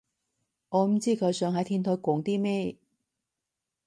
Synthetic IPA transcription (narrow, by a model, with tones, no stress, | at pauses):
ŋɔː˨˧m̩˨˥t͡siː˥˩kʰɵ˨˧˥jsœː˨˧ŋɦɐ˨˥jt̪ʰiː˥nt̪ʰo˨˥kʷɔː˨˧˥ŋt̪iː˥mɛː˥˩